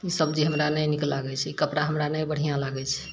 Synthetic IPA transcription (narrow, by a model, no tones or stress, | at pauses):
isəb̚d͡ʒiɦəmɾanəjniklaɡɛt͡ʃʰɛikəpɾaɦəmɾanəjbəɽ̤ijãlaɡɛt͡ʃʰɛ̥